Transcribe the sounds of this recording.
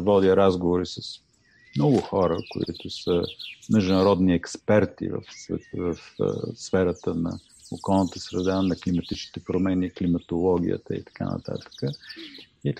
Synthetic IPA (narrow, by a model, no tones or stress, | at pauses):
vɔd̪jəɾazɡovoɾisəs | mnɔɡʊxɔɾəko̰ḭt̪ʊsəmɛʒd̪ʊnɐɾɔd̪niɛkspɛɾt̪ḭvə̰fsvɛ̰t̪vəfsfɛɾət̪ənɐ̰ | okɔlˠnət̪əsɾɛd̪anɐklimɐt̪it͡ʃni̥t̪ɛpɾomɛniklimɐt̪olˠɔɡ̟ʲḭə̰t̪ə̰ḭt̪ɐ̥ka̰nə̰t̪a̰t̪ə̥kə | i